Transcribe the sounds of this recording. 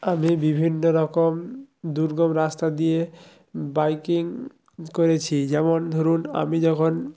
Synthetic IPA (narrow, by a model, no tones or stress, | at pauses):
amibibʱinːoɾɔkomd̪uɾɡɔmɾast̪ad̪ie | bajkiŋ | koɾet͡ɕʰid͡ʑɛmond̪ʱoɾuna̰mid͡ʑɔkʰon